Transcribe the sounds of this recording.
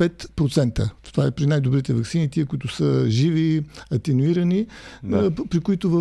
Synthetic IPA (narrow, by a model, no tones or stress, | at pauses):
ɛt̪pɾot̪sɛnt̪ət̪ovaɛpɾinajd̪obɾit̪ɛvɐksinit̪iəkʊit̪ʊsəʒiviɐt̪ɛnuiɾɐni | pɾikʊit̪ʊvə